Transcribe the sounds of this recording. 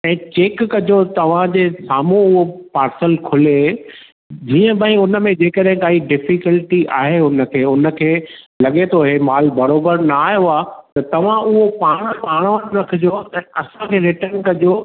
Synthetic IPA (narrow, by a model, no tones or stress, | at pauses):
ɛ̃ːt͡ɕeːkːɐd͡ʑot̪ɐʋ̤ãd͡ʑeːsaːmũʊɦopaːɾsəlkʰʊle | d͡ʑiːə̃bʱə̃ĩʊnə̆mẽd͡ʑeːkəɗɦɪ̃kaːiɖɪfɪkəlʈiʔa̰ːɦeʊnə̆kʰeːʊnə̆kʰeː | lɐɠet̪ʰoːɦemaːlbɐɾoːbəɾnaːjoaːt̪ɐt̪ɐʋ̤ãʊɦopaːɽ̃paːɽ̃ʋəʈɾɐkʰɪd͡ʑoɛ̃ːɐsãkʰeːɾɪʈənkɐd͡ʑo